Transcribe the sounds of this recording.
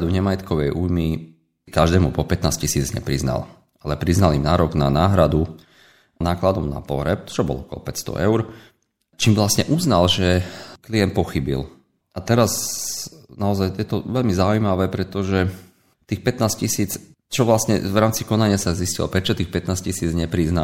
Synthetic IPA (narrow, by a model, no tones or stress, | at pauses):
d̪uɲɛmajɛt̪kɔʋɛjʔujmi | kaʒd̪ɛːmupɔpɛt̪naːscisiːd͡zɲɛ̰pɾizna̰l | alɛpɾiznalimnaːɾɔɡnanaːɦɾad̪u | naːklad̪ɔmna̰pɔ̰ɦɾɛp̚t͡ʃɔbɔ̰lɔɔkɔlɔ̰pɛcst̪ɔ̰ʔɛʊɾ | t͡ʃiːmʋlasɲɛʔuznalʒɛklijɛn̚pɔxibḭl | ʔat̪ɛɾaz | naɔzajjɛt̪ɔʋɛʎmizaujmaʋɛːpɾɛt̪ɔʒɛ | t̪iːxpɛt̪naːscisiːt͡s | t͡ʃɔʋlasɲɛ̰vɾaːmt͡sikɔnaɲɪasaziscilɔ̰pɾɛt͡ʃɔt̪iːxpɛt̪naːscisiːd͡zɲɛpɾizna